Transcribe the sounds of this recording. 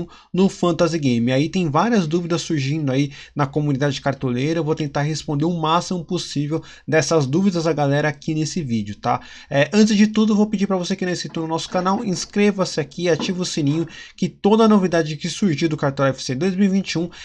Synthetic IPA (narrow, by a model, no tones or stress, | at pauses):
nʊfɐ̃nt̪aziɡẽj̃mɪait̪ẽj̃vaɾiɐzd̪uvid̪ɐssuɾʒĩnd̪ʊainɐkomunid̪ad͡ʒɪkaɾt̪olejɾɐevowt̪ẽnt̪aɾɦespõnd̪eɾʊ̃masimʊposivew | d̪ɛsɐzd̪uvid̪ɐzɐɡalɛɾɐakinesɪvid͡ʒɪʊt̪a̰ | ɛʔɐ̃t͡ʃɪzd͡ʒɪt̪ud̪ʊevowpɪd͡ʒiɾpɾɐvosekɪnɐ̃w̃eskit̪onʊnɔsʊ̥kanawĩskɾevɐsɪakiat͡ʃivʊsĩnĩɲʊkɪt̪od̪ɐnovid̪ad͡ʒɪkɪsuɾʒiwd̪ʊkaɾt̪ɛ̃wɛfɪ̥sed̪ojzmiwivĩnt͡ʃiũ